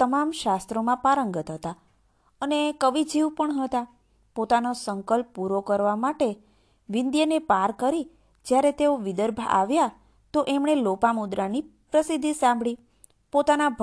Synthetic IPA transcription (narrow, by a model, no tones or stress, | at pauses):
t̪əmamʃast̪ɾomãpaɾəŋɡət̪ɦət̪a | ənekəʋid͡ʒiʋpəɳɦət̪a | pot̪anosəŋkəlpːuɾokəɾʋamaʈe | ʋɪnd̪jənepaɾkəɾi | d͡ʒjaɾet̪eoʋɪd̪əɾbʱa̰ʔaʋja | t̪oʔemɳelopamud̪ɾanipɾəsid̪ʱːisãmbʱɭi | pot̪anabʱ